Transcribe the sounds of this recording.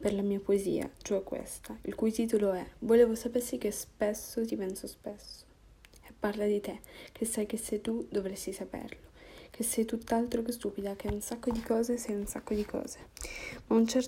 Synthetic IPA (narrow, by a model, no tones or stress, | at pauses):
perlamiːapoezḭːa̰t͡ʃoɛkːwḛst̪ailkujt̪iːt̪oloɛvoleːvosapersik̟espesːot̪ipɛnsospesːo̥ | epːarlad̪it̪ekʰesːajk̟esːet̪ud̪ovɾesːisapḛrlok̟ʰesɛjt̪ut̪ːalt̪ɾokest̪uːpid̪ak̟eunsakːod̪ikɔːzesɛjunsakːod̪ikʰɔ̰ːz̥emaunt͡ʃɛr